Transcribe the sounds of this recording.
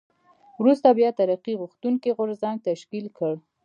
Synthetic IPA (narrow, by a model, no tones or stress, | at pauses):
wɾust̪abjɑt̪aɾaqiɣuxt̪uŋkiɣʊɾzaŋɡ̚t̪aʃkilkəɽ